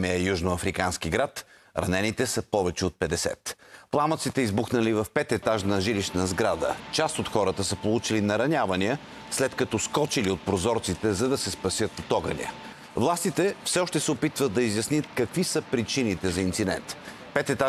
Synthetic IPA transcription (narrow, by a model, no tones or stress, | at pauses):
mɛɛjuʒnoɐfɾikansk̟iɡɾat̪ | ɾɐ̰nɛnit̪ɛsəpɔvɛt͡ʃɛot̪̚pɛd̪ɛsɛ̰t̪plˠamət̪sit̪ɛizbuxnɐlivɐfpɛt̪ɛt̪aʒnɐʒiliʃnəzɡɾad̪ə̰t͡ʃast̪ot̪xɔɾət̪əsəpolˠut͡ʃilinɐɾɐnʲavɐniə | slɛt̪kɐt̪ɔskɔt͡ʃiliot̪̚pɾozɔɾt̪sit̪ɛzɐd̪ɐsɛspɐsjɤt̪̚pot̪ɔɡɐ̰nḭə̰ | vlˠast̪it̪ɛfsɛɔʃt̪ɛsɛopit̪vəd̪̚d̪ɐizʲjɐsniət̪̚kɐkvisəpɾit͡ʃinit̪ɛzɐint̪sid̪ɛ̰nt̪ | pɛt̪ɛt̪a